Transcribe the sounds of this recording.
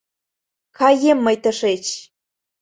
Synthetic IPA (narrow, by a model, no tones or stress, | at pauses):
kɑjemːəjt̪ə̆ʃet͡ɕ